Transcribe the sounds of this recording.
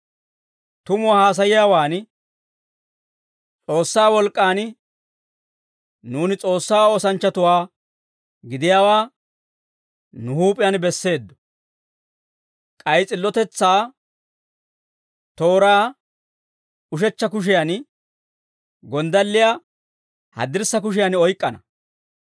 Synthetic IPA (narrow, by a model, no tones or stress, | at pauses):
t̪ʊmʊwahaːs̬ɐjɪjaːwaːn | t͡sʼo̞ːsːaːwɔlkʼːaːn | nuːnɪt͡sʼo̞ːsːaːoːsɐnt͡ʃːɐt̪ʊwaː | ɡɪd̪ɪjaːwaː | nʊhuːpʼɪjanbɛsːe̞ːd̪ːɔ̥ | kʼɐjt͡sʼɪlːɔt̪ɛt͡sːaː | t̪o̞ːɾaː | ʊʃɛt͡ʃːɐkʊʃ̬ɪjan | ɡɔnd̪ɐlːɪja | hɐ̰d̪ɪɾsːɐk̬ʊʃ̬ɪjanɔjkʼːɐnɐ